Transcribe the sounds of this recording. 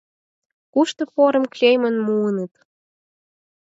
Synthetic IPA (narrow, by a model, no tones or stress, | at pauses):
kuʃt̪ŏpoɾə̆mklʲejmənmuənət̪